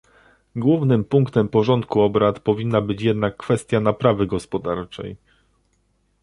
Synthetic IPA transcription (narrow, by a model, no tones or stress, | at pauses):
ɡwuvnɘmpuŋkt̪ɛmpɔʐɔnt̪̚kuɔbɾat̪pɔvʲinːabɘt͡ɕjɛd̪nakːfɛst̪ʲjanapɾavɘɡɔspɔd̪aɾt͡ʂɛ̰j